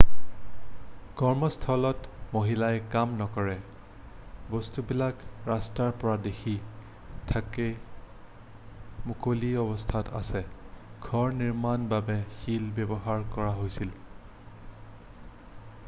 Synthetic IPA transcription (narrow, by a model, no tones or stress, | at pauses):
kɔɹmɔstʰɔlɔtmoɦilajkamnɔkɔɹɛ | bɔstubilakɹastaɹpɔɹadexʰi | tʰakɛ | mukoliɔbɔstʰatʰa̰sɛɡ̥ʱɔɹniɹmanbabɛxilbjɛbɔɦaɹkɔɹaɦojsil